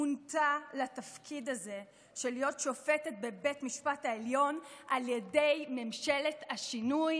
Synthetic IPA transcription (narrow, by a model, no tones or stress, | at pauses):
untalatafkʰidaze̞ | ʃelijo̞tʃo̞fe̞tet̚be̞be̞tmiʃpataeljo̞nʔaljede̞jme̞mʃe̞le̞taʃinuj